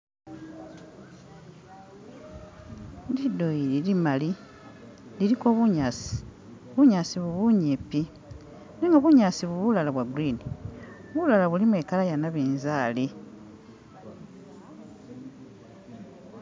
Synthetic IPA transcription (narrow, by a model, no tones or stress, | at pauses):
didoililimali | liɾiko̞βuɲaːsi̥ | βuɲaːsiβuβuɲepi | neŋɡaβuɲaːsiβuβulalaβwaɡuɾini | oβulalaβulimwe̞kalajanaβeːnzaːli